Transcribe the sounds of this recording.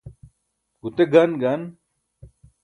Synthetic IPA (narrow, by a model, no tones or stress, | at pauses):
ɡ̥ut̪eɡɐnɡɐn